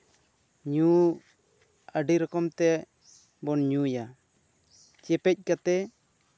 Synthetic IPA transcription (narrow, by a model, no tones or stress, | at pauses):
ɲu | əɖiɾɔkɔmt̪ɛ | bɔnɲuja | t͡ʃɛpɛc̚ˀkat̪ɛ